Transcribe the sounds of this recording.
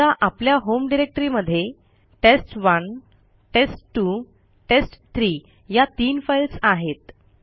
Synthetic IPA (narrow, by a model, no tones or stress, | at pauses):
aʔapljaɦomɖiɾek̚ʈəɾiməd̪ʱːje | ʈesʈʋən | ʈesʈʈːu | ʈesʈt̪ʰɾiː | jat̪iːnfajlsaɦet̪